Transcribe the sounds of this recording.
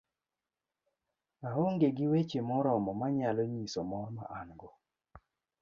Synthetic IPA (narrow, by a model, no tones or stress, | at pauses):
aɦoŋɡeɡɪwet͡ʃemɔɾɔmɔmaɲalɔɲisɔmɔma̰ʔaŋɡɔ